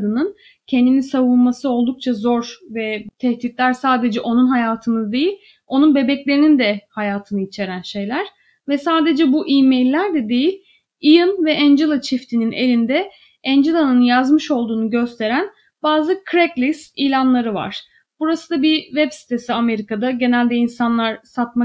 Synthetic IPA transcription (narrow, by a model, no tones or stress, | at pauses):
d̪ɯnɯn | cʰɛnd̪inisavunmasɯo̞lˠd̪uk̚t͡ʃʰazo̞ɾvɛt̪ʰɛht̪it̪lʲæɾsaːd̪e̞d͡ʒɛʔo̞nunɦajaːt̪ʰɯnɯd̪e̞jilʲ | o̞nunbe̞bɛclʲe̞ɾinind̪ɛhajaːt̪ʰɯnɯit͡ʃʰe̞ɾænʃe̞jlʲæɾ̥ | vɛsaːd̪e̞d͡ʒɛbuʔiːmejlʲːæɾd̪ɛd̪e̞jilʲ | ijɯnvɛʔænd͡ʒelˠat͡ʃʰift̪ʰinine̞lʲind̪ɛ | ænd͡ʒelˠanɯnjazmɯʃo̞lˠd̪uːnuɟø̞st̪ʰe̞ɾæn | baːzɯkʰɾɛklʲisilʲanlˠaɾɯva̰ɾ̥ | b̥uɾasɯd̪abivɛbsi̥t̪ʰe̞siame̞ɾikad̪aɟe̞nælʲd̪ɛinsanlˠaɾ̥sat̪̚ma